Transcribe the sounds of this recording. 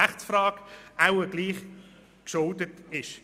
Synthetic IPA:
æχtt͡sfrɑːɡaʊəɡliːχ | kʃʊldətɪʃ

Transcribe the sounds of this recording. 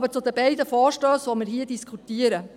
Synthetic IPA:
bəɾt͡sʊd̪əbɛɪdəfɔːɾʃtøːsʋomɪɾɦiədiskʰutiəɾə

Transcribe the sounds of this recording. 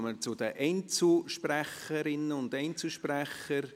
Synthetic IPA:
mət͡sʊd̥̪əʔɛɪnt͡suʃpræχəɾɪnːəʊndɛɪnt͡suʃpræχəɾ

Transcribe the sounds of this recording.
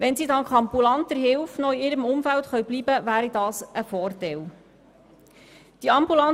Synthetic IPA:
ʋɛnsiːdɑnkχɑmbulɑnt̪əɾɦɪlfnɔɪɪːɾəmʊmfæltχœɥbliːbəvæːɾidɑːsəfɔːrtɛl | d̥iɑmbulɑn

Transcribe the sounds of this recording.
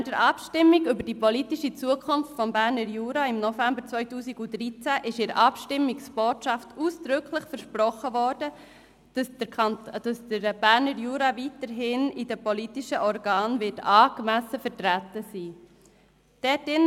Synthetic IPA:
dəɾʔɑpʃtɪmːiɡʏbəɾd̥ipɔlitiʃit͡suəkʰʊnftfɔmbæɾnəɾjuːɾɑɪmnɔfæmbəɾt͡sʋœʏtuːsiɡʊdɾiːt͡sæʔɪʃɪɾəʔɑpʃtɪmːiksb̥oːtʃɑftuːsd̪̥ɾʏkʰləχfəɾʃpɾɔχəvɔːɾd̥ə̥ | d̥ɑsdəɾb̥æːɾnəɾjuːɾɑvitəɾɦɪnidəpɔlitiʃəʔɔɾɡɑːnvɪtɑːɡmæsəfəɾtɾætəsiː | d̥ɛtɪn

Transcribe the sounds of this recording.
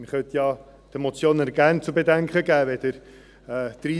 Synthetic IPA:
məχœt̪jɑ | t̪emot͡sjoːnɛɾɡ̥æɾnt͡subedæŋkəɡæːʋɛd̥̪əɾ | ɛːd̪̥ɾiː

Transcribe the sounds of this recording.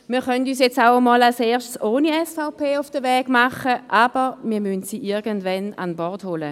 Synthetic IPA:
miːɐχœntyːs̬jɛt͡saʊəmɔːlalseːɐʃtsoːniɛsfaʊpʰeːʊfd̥əvɛːɡ̥maχəʔaːb̥əmiːɐmyntsiʔɪɐɡəntvɛna̰nbɔʁtholə

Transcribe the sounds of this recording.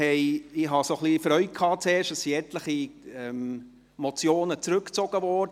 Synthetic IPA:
hɛɪɪɦɑsoχlifɾœʏt̚kʰɑːt͡seːɾʃtəsːiɛtləχiɛm | mot͡sjoːnət͡sɾɵkt͡sɔɡ̥əvɔːd

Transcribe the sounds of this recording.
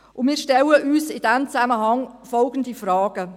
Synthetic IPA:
ʔʊnmiːɾʃtɛləʔyːsɪd̥ɛmt͡sæməɦɑŋfɔlɡ̥ən̩difraːɡ̥ə

